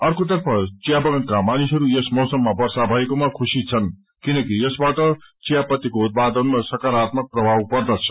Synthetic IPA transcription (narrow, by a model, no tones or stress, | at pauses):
ʌrkot̪ʌrpʰʌt͡sijabʌɡʌnkamanisɦʌɾujesmʌwsʌmːabʌrsabʱʌekomakʰusit͡sʰʌn | kinʌkijʌsbaʈʌt͡sijapʌt̪ːikout̪̚pad̪ʌnmasʌkaɾat̪mʌk̚prʌbʱawpʌrd̪ʌt͡sʰʌ̥